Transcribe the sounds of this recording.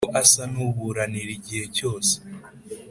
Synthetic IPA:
ʔasanuβuɾaniɾiɟihe̞co̞ːse̥

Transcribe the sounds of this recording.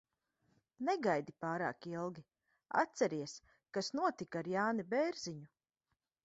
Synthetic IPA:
neɡajd̪ipaːɾa̰ːkilˠɡʲi | a̰t̪sɛɾiɛs | kasnuɔt̪ikaɾjaːnibɛːɾz̥iɲu

